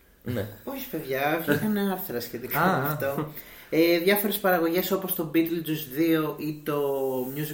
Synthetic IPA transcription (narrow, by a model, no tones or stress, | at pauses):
neoçispe̞ðʝɐçekɐneɐɾθɾɐsçe̞t̪ikɐaɐɐft̪o̞ | eðʝɐfo̞ɾe̞spɐɾɐɣo̞ʝe̞so̞post̪o̞bit̪elt̪uzðio̞ʔit̪o̞mɲuzi